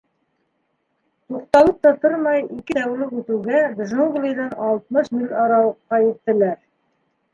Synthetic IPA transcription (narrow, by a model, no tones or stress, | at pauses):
t̪uq̚t̪ɑlˠɤp̚t̪ɑt̪oɾmɑjikɘt̪æwlɘkʉt̪ɘ̆wɡæɡʒoŋɡlʲˠijd̪ɑnɑlˠt̪̚mɤʃmilʲɑɾɑwɤqːɑjɘ̆t̪ːɘ̆læɾ